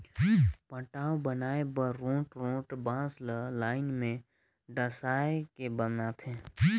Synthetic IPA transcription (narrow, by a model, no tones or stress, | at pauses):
pə̃ʈaːõbənaːebəːõːʈɾõːʈbãːsləlaːɪnmẽ | ɖəsaːekebənat̪ʰẽː